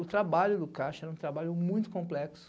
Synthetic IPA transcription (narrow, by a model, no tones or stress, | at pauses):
ʊt̪ɾabaʎʊd̪ʊkaʃʊɛɾɐũt̪ɾabaʎʊmũj̃t̪ʊ̥kõmplɛksʊ̥